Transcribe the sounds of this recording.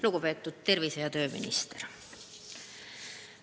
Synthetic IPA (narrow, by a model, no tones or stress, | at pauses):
luɡ̥upe̞ːt̪ːˑud̪̥̚t̪e̞rvisejɑt̪ø̞ːmḭnḭst̪eɾ